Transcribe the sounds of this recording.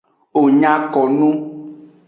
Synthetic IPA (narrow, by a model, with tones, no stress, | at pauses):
o˨ɲã˦kɔ˨nũ˦